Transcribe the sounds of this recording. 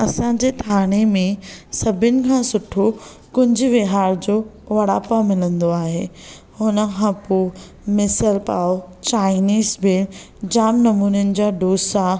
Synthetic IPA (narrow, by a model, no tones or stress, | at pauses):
ɐsãɲd͡ʑeːt̪ʰaːɽ̃emẽsɐbʱɪnɪ̆kʰãːsʊʈʰo | kʊɲd͡ʑʱʊ̆ʋɪɦaːɾd͡ʑoː | ʋɐɽaːpamɪlə̃nd̪oaːɦḛː | hʊnə̆kʰãːpoː | mɪsəlpa̰ːot͡ɕaːɪniːzbɪl | d͡ʑaːmnɐmuːnʊnɪ̆d͡ʑaːɖoːsa